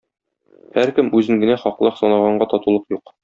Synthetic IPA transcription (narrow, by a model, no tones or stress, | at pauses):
hæɾkɘmʉzɘŋɡɘ̆næχɒqlˠɑqsɒnɑʁɑɴɢɑt̪ɒt̪ulˠɤqjuq